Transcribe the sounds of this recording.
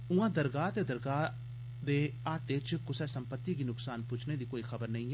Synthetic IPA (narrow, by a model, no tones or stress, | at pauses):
ʊãːd̪əɾɡaːt̪eːd̪əɾɡaː | d̪eːat̪ɪt͡ʃkʊsɛːsəmpət̪ːiːɡiːnʊksaːnput͡ʃʰneːd̪iːkoːiːxʰəbəɾnəĩːɛː